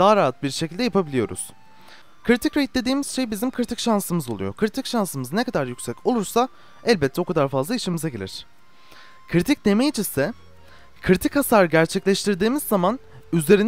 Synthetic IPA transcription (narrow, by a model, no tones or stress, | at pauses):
d̪aɦaɾaɦat̪̚biɾʃecʰilʲd̪ɛjapʰabilʲijo̞̰ɾṵz̥ | kʰɯɾit̪ʰicɾejit̪lʲe̞d̪iːmiz̥ʃe̞jibizimkʰɾit̪ʰicʃansɯmɯzo̞lˠṵjo̞̰kʰɾit̪ʰicʃansɯmɯznekʰad̪aɾjycsɛcʰo̞lˠuɾsa | ɛlʲbɛt̪ʰːɛo̞kʰad̪aɾfazlˠaiʃimizaɟelʲḭɾ̝̥ | kʰɾit̪ʰic̚d̪e̞mejid͡ʒisɛ | kʰɾit̪ʰicasaɾɯɟæɾt͡ʃʰɛclʲɛʃt̪ʰiɾd̪iːmizːaman | yzle̞ɾin